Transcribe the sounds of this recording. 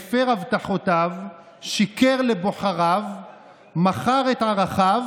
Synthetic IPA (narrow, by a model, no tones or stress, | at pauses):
feʁavt̪aħotav | ʃikeʁleboχaʁav | maχaʁet̪haʁaχav